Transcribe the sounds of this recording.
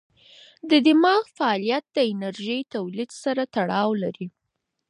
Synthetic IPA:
d̪əd̪ɪmɑɣfaːlijat̪̚d̪əɪnaɾʒəjt̪awlid̪saɾat̪aɽɑwlaɾi

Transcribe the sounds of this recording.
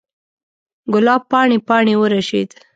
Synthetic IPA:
ɡʊlɑb̚pːɑɳepɑɳewəɾaʃḛd̪

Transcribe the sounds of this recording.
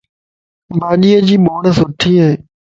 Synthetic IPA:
baːɗiːəd͡ʑiːɓoːɳəsʊʈʰiːɦeː

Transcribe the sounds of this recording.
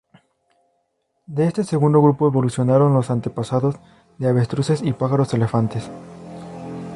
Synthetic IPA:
d̪e̞est̪e̞se̞ɣund̪o̞ɣɾupo̞eβo̞lusjo̞naɾo̞nlo̞sant̪e̞pasaðo̞z | ðe̞aβe̞st̪ɾuse̞sipaxaɾosele̞fant̪e̞s

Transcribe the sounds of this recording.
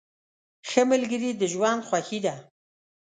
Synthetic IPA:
xəməlɡəɾid̪əʒwand̪xwaxid̪a

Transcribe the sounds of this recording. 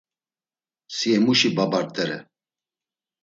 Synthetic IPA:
siɛmuʃibabaɾt̪ʼɛɾɛ̰

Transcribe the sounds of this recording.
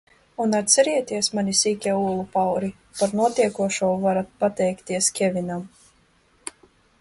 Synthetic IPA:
unat̪ʲsɛɾiɛt̪iɛsmanisiːkʲɛulˠupawɾi | paɾnuɔt̪iɛkuɔʃuɔvaɾat̪̚pat̪ɛjkt̪iɛskʲɛvʲinam

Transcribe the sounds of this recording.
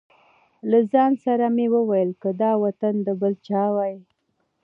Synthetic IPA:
lazɑnsaɾamewəwajəlkəd̪ɑwat̪and̪əbəlt͡ʃɑwaj

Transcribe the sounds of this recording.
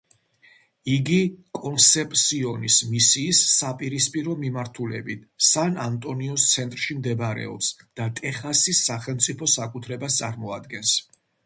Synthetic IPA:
iɡikʼɔnsɛpʼt̪siɔnismisiːsːapʼiɾispʼiɾɔmimaɾt̪ʰulɛ̰bit̪ʰsanant̪ʼɔniɔst̪sʰɛnt̪ʼɾʃimd̪ɛbaɾɛ̰ɔ̰psd̪̥at̪ʼɛχasisːaχɛlˠmt̪sʼipʰɔsakʼut̪ʰɾɛbast̪sʼaɾmɔad̪ɡɛns

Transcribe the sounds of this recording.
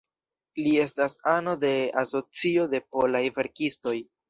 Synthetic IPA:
lie̞stasano̞de̞aso̞t͡sio̞de̞po̞lajve̞ɾkisto̞j

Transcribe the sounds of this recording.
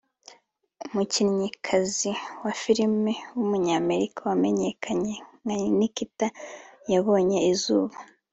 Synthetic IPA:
mucinɲikʰaziwafiɾimewumuɲaːme̞ɾikawame̞ɲe̞kʰaɲe̞ŋnikitajaβo̞ːɲe̞izuːβa

